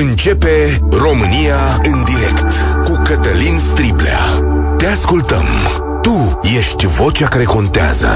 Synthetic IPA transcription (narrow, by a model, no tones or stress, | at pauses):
ɨnt͡ʃe̞pe̞ | ro̞mɨnija | ɨnd̪iɾe̞̰kt̪ | kukət̪əlinst̪ɾiblḛa̰ | t̪e̞askult̪ə̰m | t̪uje̞ʃt̪ʲvo̞t͡ʃakaɾe̞ko̞nt̪ea̰zə̰